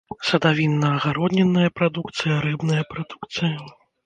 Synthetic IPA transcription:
sɐd̪avʲinːɐːɣaɾɔd̪nʲɛnːɐjɐpɾad̪ukt̪sɨjɐɾɨbnɐjɐpɾad̪ukt̪sɨjɐ

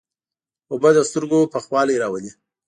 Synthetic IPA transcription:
ʊbəd̪əst̪əɾɡopəxwɑljeɾɑwəli

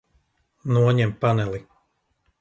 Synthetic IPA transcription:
nuɔɲɛmpanɛlˠi

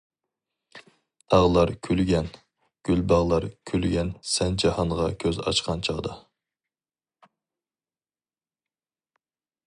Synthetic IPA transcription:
t̪ʰɑʁlˠɑɾkʲʰylɡʲɛn | ɡ̥ʲylbɑʁlˠɑɾkʲʰylɡʲɛnsɛnd͡ʒɑhɑɴʁɑkʲʰøzɑ̰t͡ʃqɑnt͡ʃʰɑʁd̪ɑ

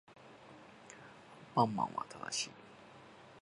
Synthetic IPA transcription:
pɑŋmɑ̰ŋwa̰t̪ʰa̰d̪ə̰ɕḭ

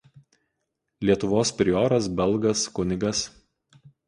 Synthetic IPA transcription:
lʲiɛt̪ʊʋoːspʲɾʲɪoːɾɐsbʲɛlˠˑɡɐskʊnʲɪɡɐs

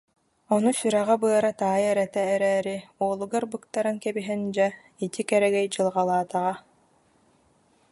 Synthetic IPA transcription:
ɔnusyɾɛʁabɯɐɾat̪aːjɛɾɛt̪ɛːɾɛːɾiuɔlˠuɡaɾbɯkt̪aɾɯnkɛbiɦɛnd͡ʑɛ | it̪ikɛɾɛɡɛjd͡ʑɯlˠʁalˠaːt̪aʁa

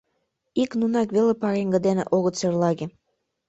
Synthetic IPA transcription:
iknunɑkβelepɑɣeŋɡə̆d̪enḛʔoɣət̪serlɑɣĕ

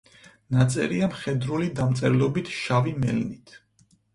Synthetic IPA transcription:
nat̪sʼɛ̰ɾiamχɛd̪ɾulid̪amt̪sʼɛɾlɔbit̪ʰʃavimɛ̰lnit̪ʰ

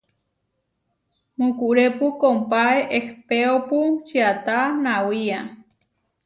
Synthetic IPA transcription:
mũkuʔɾepukompaeʔehpeoput͡ʃiat̪anawia

